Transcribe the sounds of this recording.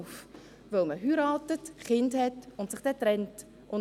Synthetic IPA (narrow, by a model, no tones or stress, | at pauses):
f | volməɦyɾɑːtətχɪndhɛtʊntsɪχd̥ɛtɾɛnt | ʔʊn